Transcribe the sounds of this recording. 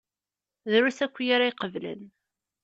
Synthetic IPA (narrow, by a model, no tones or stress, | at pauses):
ðɾusækʷːjaɾaiqəvlə̰n